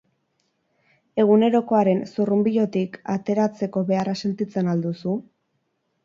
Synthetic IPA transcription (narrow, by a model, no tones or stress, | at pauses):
e̞ɣ̞une̞ɾo̞ko̞aɾe̞nsurumbiʎo̞t̪ikat̪e̞ɾat͡se̞ko̞βe̞arase̞nt̪it͡se̞nald̪usu